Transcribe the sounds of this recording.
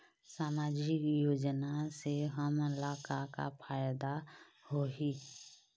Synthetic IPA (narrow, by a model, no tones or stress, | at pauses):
saːmaːd͡ʒɪkjoːd͡ʒnaseɦəmɪlaːkaka̰pʰaːjd̪a | hoi